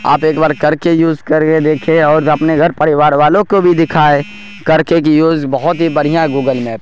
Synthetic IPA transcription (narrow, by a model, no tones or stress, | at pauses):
a̰ːpeːkbaːɾkɐɾkejuːzkɐɾked̪eːkʰeɔːɾɐpneɡʱɐɾpɐɾɪʋaːɾʋaːlõkobʱid̪ɪkʰaːe | kɐɾkek̬ijuːzbɐɦʊt̪ɦibɐɽ̤ijãɦɡuːɡəlmɛːp̚